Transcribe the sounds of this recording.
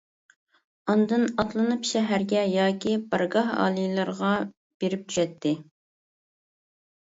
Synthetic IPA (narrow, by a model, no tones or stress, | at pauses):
ɑnd̪ɨnɑt̪lˠɨnɨpʃɛɦæɾɡʲɛjɑːkʲʰibɑɾɡɑɦɑ̰ːlˠijlˠɨɾʁɑ | b̥eɾɪp̚t̪ʰy̥ʃɛt̪ʰːɪ